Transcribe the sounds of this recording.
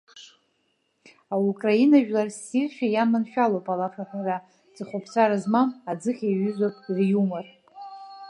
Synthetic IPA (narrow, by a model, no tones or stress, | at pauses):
aukʼrainaʒᶣlarsirʃʷᶣajamanʃᶣalowpʼalafaħara | d͡zɨχʷopʰt͡sʷʰʼaɾazmamad͡zɨχʲaɥʏzʷopʼrjumar